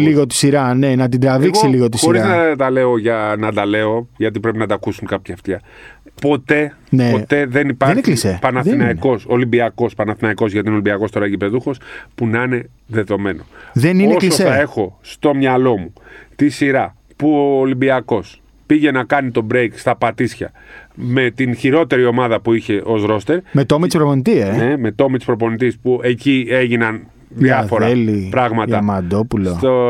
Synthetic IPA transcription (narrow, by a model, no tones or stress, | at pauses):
liɣot̪i̥siɾɐnenɐt̪̬id̪ɾɐvðiksiliɣot̪isbo̞ɾizznɐt̪ɐle̞o̞ʝɐnɐd̪ɐle̞o̞ʝɐt̪ipɾe̞pinɐt̪ɐkusuŋkɐpçɐft̪çɐ | po̞t̪e̞ | neo̞t̪e̞ðenipɐɾnçlisepɐnɐθinɐiko̞so̞limbiɐko̞spɐnɐθinɐiko̞zʝɐt̪ineo̞limbiɐkost̪o̞ɾɐʝipe̞ðuxo̞spunɐine̞ | ðe̞ðo̞me̞no̞ðenieoklsoθɐe̞xo̞st̪o̞mɲɐlo̞mut̪isiɾɐ | puoːlimbiɐko̞s | piʝe̞nɐkɐnit̪o̞bɾekst̪ɐpɐt̪isçɐ̰ | me̞t̪inçiɾo̞t̪e̞ɾio̞mɐðɐpuiçe̞ʔo̞zɾo̞st̪e̞ɾmet̪omitispɾoponit̪ieneme̞t̪o̞mit̪i̥spɾo̞po̞nit̪̬ispue̞cie̞ʝinɐn | ðiɐfo̞ɾɐelipɾɐɣmɐt̪ɐmɐd̪opulost̪o